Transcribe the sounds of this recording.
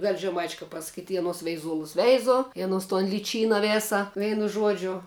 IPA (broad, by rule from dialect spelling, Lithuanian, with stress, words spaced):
ʋʲɛlʲ ʒʲɛˈmɐɪt͡ʃʲɛ kɐp pɐsɐˈkʲiːtʲ ɪ ɐˈnoːs ʋʲɛɪˈzuɔlˠʊs ˈʋʲɛɪzʊ ɪ ɐˈnoːs toːn lʲɪˈt͡ʃʲiːnɐ ˈʋʲeːsɐ ˈʋʲɛɪnʊ ˈʒuɔd͡ʒʲʊ